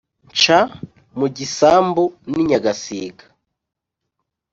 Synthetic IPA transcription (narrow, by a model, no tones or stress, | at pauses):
t͡ʃa | muɟisaːmbuniɲaɡasḭːɡḁ